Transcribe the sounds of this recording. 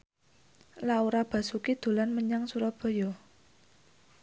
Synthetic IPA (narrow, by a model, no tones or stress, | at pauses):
lauɾab̥a̤sukid̪̥o̤lanməɲaŋsuɾɔb̥ɔ̤jɔ